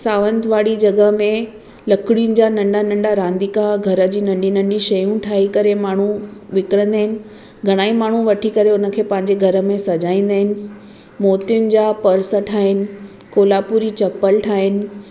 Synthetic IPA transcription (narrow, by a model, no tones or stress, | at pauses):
saːʋə̃nd̪ʋaːɽid͡ʑɐɡəmẽ | lɐkɽjʊnɪ̆d͡ʑaːnɐ̃ɳɖanɐ̃ɳɖaɾãːnd̪ikaɡʱɐɾə̆d͡ʑiːnɐ̃ɳɖinɐ̃ɳɖiʃɐjũʈʰaːɦikɐɾemaːɳ̤uʋɪkɪɽə̃nd̪aːɦɪnɪ̆ | ɡʱɐɽ̃aːimaːɳ̤ũʋɐʈʰikɐɾeʊnə̆kʰeːpɐ̃ɦɪ̃ɲd͡ʑeɡʱɐɾə̆mẽsɐd͡ʑaːĩːn̆d̪aːɦɪnɪ̆ | moːt̪ijʊnɪ̆d͡ʑaːpɐɾsəʈʰaːɦɪnɪ̆ | koːlaːpuːɾit͡ɕɐpəlʈʰaːɦɪnɪ̆